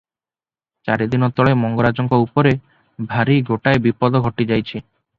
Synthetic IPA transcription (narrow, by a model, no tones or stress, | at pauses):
t͡ʃaɾed̪inɔt̪ɔɭemɔŋɡoɾad͡ʒɔŋkɔupɔɾe | bʱaɾiɡoʈaebipɔd̪ɔɡʱɔʈid͡ʒajt͡ʃʰi